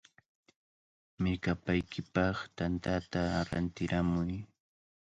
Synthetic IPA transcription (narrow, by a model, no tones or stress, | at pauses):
mɪɾkapajkʰɪpɑχt̪ant̪at̪aɾa̰nt̪ɪɾamʊj